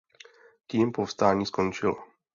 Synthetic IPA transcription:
ciːmpofst̪aːɲiːskont͡ʃɪlɔ

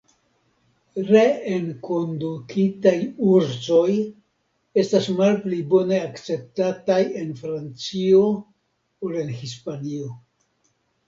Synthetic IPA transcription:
ɾe̞eŋko̞ndukʰitajuɾzo̞j | e̞stasmalplibo̞ne̞akt͡se̞p̚tataje̞nfɾant͡sio̞ | ole̞nhispanio̞

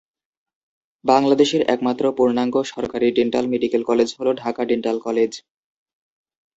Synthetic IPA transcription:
baŋlad̪eʃeɾɛ̰kmat̪ːɾopuɾnaŋɡoʃɔɾkaɾiɖeɳʈa̰lmeɖikelkɔled͡ʑɦoloɖʱakaɖeɳʈalkɔled͡ʑ

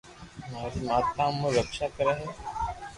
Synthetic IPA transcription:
maːɾimaːt̪ãːmõɾəkʃaːkəɾaːɦɛː

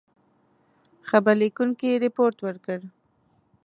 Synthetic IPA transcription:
xabəɾlekuŋkiɾɪpoɾt̪wəɾkəɽ

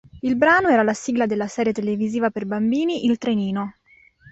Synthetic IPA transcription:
ilbɾaːnoɛːɾalasiːɡlad̪elːasɛːɾjet̪eleviziːvaperbambiːniʔilt̪ɾeniːno

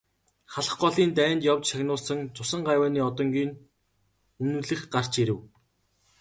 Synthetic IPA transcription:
χaɮə̆χɢɔɮiːnt̪æːnjawt͡ɕʃaxʲnʊːɮsə̆ŋt͡sʰʊsə̆ɴɢajwæːniːɔt̪ɞ̆ŋɡiːn | ɵnɵ̆ːɮɘ̆xɢar̥t͡ɕeɾɘ̆w

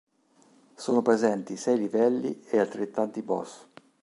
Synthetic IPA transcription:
soːnopɾezɛnt̪isɛjlivɛlːiealt̪ɾet̪ːant̪ibɔ̰s

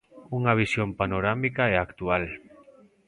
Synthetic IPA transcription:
uŋaβ̞isjompanoɾamikaɛakt̪ual

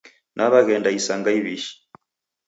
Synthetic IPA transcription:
nʔaβaɣɛndaisaŋɡaiβiʃi̥

